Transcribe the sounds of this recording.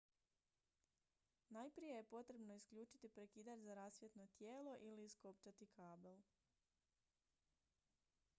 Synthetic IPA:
najpɾije̞je̞po̞t̪ɾe̞bno̞iskʎuːt͡ʃit̪ipɾe̞kiːd̪at̪zaɾasʋje̞t̪no̞t̪jeːlo̞ʔilisko̞pt͡ʃat̪ikʰaːbel

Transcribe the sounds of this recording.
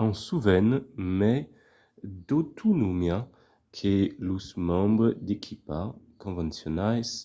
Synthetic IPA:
ɑ̃suvɛnmɛ | d̪ot̪ʰunumjɛ̃ | kʰelusmɑ̃bʁd̪ekʰipakɔ̃vɑ̃sjɔnajs

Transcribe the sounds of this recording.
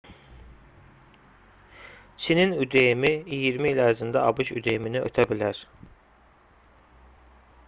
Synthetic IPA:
t͡ʃʰininyd̪ejimiijiɾmiilæɾzind̪æɑbɯʃy̰d̪ejiminiʔø̰t̪ʰæbilæɾ̥

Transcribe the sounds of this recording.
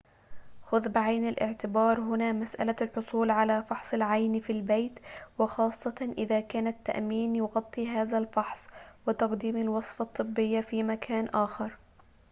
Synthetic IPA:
xʊðbɪʕajnalʔɪ̰ʕt̪ɪbɑːɾˤɦʊnaːmasʔa̰lalħʊsˤuːlʕalafɑħsˤɨlʕajnfilbejt̪wɪxɑːsˤːɑʔɪðaːkaːnat̪ːa̰ʔmiːnjʊɣɑt̪ˤːiːɦaːðalfɑħsˤwɪt̪ɑqd̪iːmalwɑsˤfɑt̪ˤːɨbːɪjːafiːmakʰaːnʔaːxɑɾˤ

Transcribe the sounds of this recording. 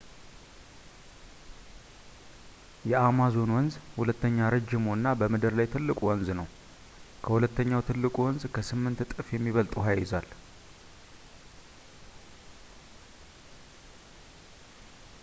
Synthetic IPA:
jɛamazo̞nwɔnzhulət̪ːəɲːaɾɨd͡ʒːɪmonːabəmɨd̪ɨɾlajt̪ʰɨlːɨkʼuwɔnznəw | kʰəhulət̪ːəɲːawt̪ʰɨlːɨkʼuwɔnzkʰəsɨmːɨnt̪t̪ʼɨfjɛmːiβəlt̪ʼuɦajɪzal

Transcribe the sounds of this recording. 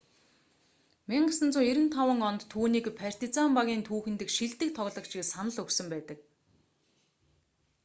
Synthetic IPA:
miɴɢə̆sə̆nt͡sʊːiɾɘ̆nt̪ʰawə̆ŋɔnt̪ʰːuːniːkpʰar̥t̪it͡sampaɣʲiːnt̪ʰuːxɘ̆nt̪ɘ̆kʃiɮt̪ɘ̆k̚t̪ʰɔɣɮɞ̆kt͡ɕɪksanə̆ɮɵksɵ̆mpæːt̪ə̆k̚

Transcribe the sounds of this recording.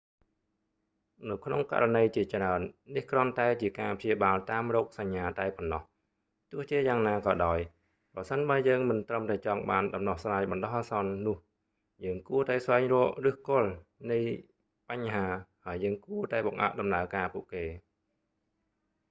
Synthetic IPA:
nɨwkʰnoŋka̰ranəjt͡ɕiət͡ɕraənːihkrŏənt̪aɛt͡ɕiəkaːpʰjiəɓaːlt̪aːmrɔːk̚saɲːaːt̪aɛpɔnːɑh | t̪ʊəht͡ɕiəjaːŋnaːkɑːɗaɔj | prɑsənɓaəjəːŋmɨnt̪rəmt̪aɛt͡ɕɑŋɓaːnɗɑmnɑhsraːjɓɑnɗɑhʔaːsɑnːʊ̆əh | jəːŋkuət̪aɛsʋaɛŋrɔəʔrɨhkʊ̆əlnɨj | paɲɦaːhaəjːəːŋkuət̪aɛɓɑŋʔa̰ʔɗɑmnaəkaːpuəʔkeː

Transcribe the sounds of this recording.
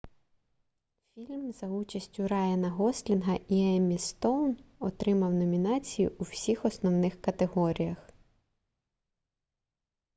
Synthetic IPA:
fʲilʲmzɐut͡ʃɐsʲtʲʊɾɑjɐnɐɦɔslʲinɦɐʔiɛmʲist̪ɔwnɔt̪ɾɪmɐwnɔmʲinɑt͡sʲijḭuwsʲixɔsnɔwnɪxkɐt̪eɦɔɾʲijɐx

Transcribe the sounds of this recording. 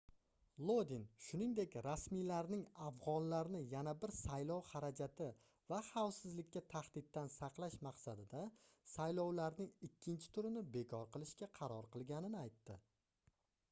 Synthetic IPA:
lˠod̪ɪnʃʊnɪŋd̪e̞kʲɾasmijlaɾnɪŋafʁɒnlaɾnɪjanabɪɾsajlɒwhaɾad͡ʒat̪ʰɪ | vaχawsɪzlɪkʲʰːat̪ʰaχd̪ɪd̪̚ːansɑqlˠaʃmɑqsad̪ɪd̪asajlɒwlaɾnɪŋɪkʲʰːɪnt͡ʃʰɪ̥t̪ʰʊɾɪnɪbe̞kʰɒɾqɨlˠɪʃkʲaqʰɑɾɒɾqɨlˠɡʲanɪnɪajt̪ːɪ

